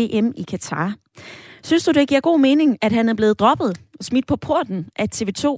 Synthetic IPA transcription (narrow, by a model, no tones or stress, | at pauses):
e̝ʔemikʰæt͡sʰɑ̈ː | synsd̥ud̥eɡ̥iɐ̰ɡ̥o̝̰ːme̝ːne̝ŋæd̥ɦænæɐb̥le̝ːð̩ˠd̥ʁɒ̽b̥ð̞̩ˠɒ̽smid̥̚pʰɒ̽pʰo̝ɐ̰d̥n̩ʔæt͡sʰe̝ːʋe̝ːt͡sʰo̝̰ː